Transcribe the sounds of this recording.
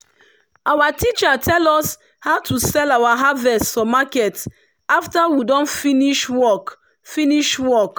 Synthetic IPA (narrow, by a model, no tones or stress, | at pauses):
ʔawatit͡ʃatʰɛlɔs | haʊtusɛlawaɦavɛstfɔ̃makɛt | aftawidɔ̃nfiniʃwɔk | fĩniʃwɔk